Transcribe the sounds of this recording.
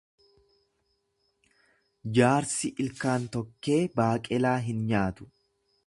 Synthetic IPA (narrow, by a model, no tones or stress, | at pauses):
d͡ʒaːɾsɪʔɪlkaːnt̪ɔkːe̞ːbaːkʼɛlaːɦɪnɲaːt̪ʊ̥